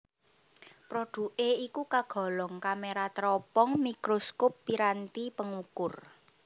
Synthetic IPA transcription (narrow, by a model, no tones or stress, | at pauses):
pɾoɖ̥ṳʔeikukaɡ̥ɔ̤lɔŋkameɾat̪ɾɔpɔŋmikɾoskopːiɾant̪ipəŋukʊr